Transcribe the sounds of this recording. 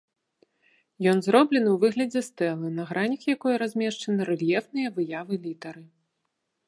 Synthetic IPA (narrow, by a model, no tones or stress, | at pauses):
jɔnzɾɔblʲɛnɨwvɨɣlʲɐd͡zʲɛst̪ɛlˠɨnɐɣɾanʲikjakɔjɐɾazʲmʲɛʂt͡ʂɐnɨɾɛlʲjɛfnɨjɐvɨjavɨlʲit̪ɐɾɨ